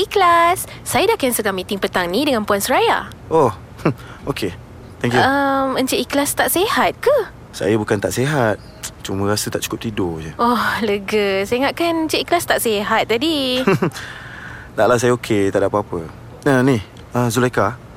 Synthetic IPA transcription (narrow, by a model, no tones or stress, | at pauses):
ʔiklasː | ajədakansəɡaŋmit̪ɪŋpət̪aŋnidəŋanpuansəɾaja̰ʔɔh | okʰe | t̪ɛŋkjuəmənt͡ʃəʔiklast̪aʔsehat̪̚kə | sa̰jəbukant̪aʔseɦat̪̚ | t͡ʃumə̃ɾasət̪aʔt͡ʃu̥kʊp̚t̪idod͡ʒəʔɔləɡəseŋaʔ̪̚kanəɲt͡ʃəʔiklast̪aʔseɦat̪̚d̪adi | t̪aʔlahsajəokʰet̪aʔdapəapə | nanih | əzuleka